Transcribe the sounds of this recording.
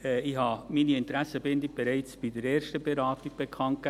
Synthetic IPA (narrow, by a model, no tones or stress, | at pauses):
ɛiçhɑːmiːniɪntɾæsəbɪnd̪ib̥eɾɛɪt͡sb̥id̥əɾeːɾʃtəb̥eɾaːtɪɡ̥̚b̥ekʰɑŋ̚k